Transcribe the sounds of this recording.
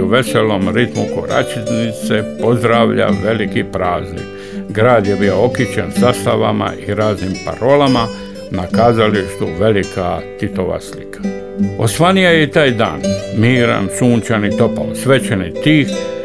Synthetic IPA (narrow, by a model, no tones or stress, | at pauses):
uʋe̞selomɾit̪muko̰ɾa̰t͡ʃiznit̪sepozd̪ɾaːʋʎa̰ʋe̞likipɾaːznḭk | ɡɾaːd̪jebiookit͡ɕensast̪aʋa̰ma̰ʔiɾaːznimpa̰ɾo̞lama | nakaːzaliʃt̪uʋe̞likʰat̪it̪oʋa̰slḭkʰḁ | o̞sʋanijajet̪aːjd̪a̰ːnmiːɾa̰nsuːɲt͡ʃanit̪o̞pa̰osʋet͡ʃenit̪iːx